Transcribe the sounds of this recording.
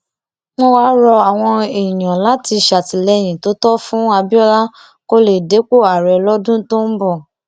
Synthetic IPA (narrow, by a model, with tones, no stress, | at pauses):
mɔ̃˦wa˦ɾɔ˧a˨w̃ɔ̃˧i˨j̃ã˨la˨˦ti˧˨ʃa˨ti˨lɛ˧˨j̃ĩ˨to˨˦tɔ˦fũ˦a˧bi˦ɔ˦la˦ | ko˦le˨de˨˦k͡po˦˨a˨ɾɛ˨lɔ˦dũ˦to˦m̩˦bɔ˦˨